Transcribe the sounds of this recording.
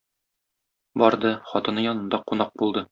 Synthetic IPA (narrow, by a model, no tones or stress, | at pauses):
bɒɾd̪ɤχɒt̪ɤ̆nɤjɒnɤ̆nd̪ɑqunɑq̚bulˠd̪ɤ